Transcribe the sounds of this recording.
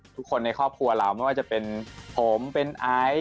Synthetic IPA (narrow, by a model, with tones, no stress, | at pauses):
t̪ʰu˦˥kʰːo˧nːa˧jkʰɔː˥˩p̚kʰu˧ɐlaː˨˩˦wma˥˩jwaː˥˩t͡ɕa˨˩pe˧npʰoː˩˦mpe˧nʔaː˦˥j